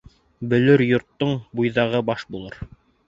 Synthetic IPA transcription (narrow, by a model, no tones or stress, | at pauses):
bɵ̆lɵɾjŏɾt̪ːoɴbujðɑʁɤbɑʃbulˠɤɾ